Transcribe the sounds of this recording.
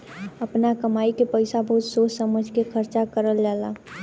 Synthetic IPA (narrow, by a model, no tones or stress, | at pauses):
əpnakəmaːikepəɪsabəɦut̪soːt͡ʃsəməd͡ʒʱkekʰəɾt͡ʃakəɾəld͡ʒaːlaː